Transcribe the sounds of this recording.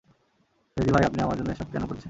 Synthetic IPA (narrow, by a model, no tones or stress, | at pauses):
fɾed̪ibʱajapniamaɾd͡ʑonːoeʃab̚kɛnokoɾt͡ɕʰen